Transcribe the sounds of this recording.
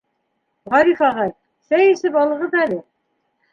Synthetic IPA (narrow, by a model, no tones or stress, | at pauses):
ʁɑɾifɑʁɑj | sæjɘ̆sɘpɒlˠɤ̆ʁɤðælɘ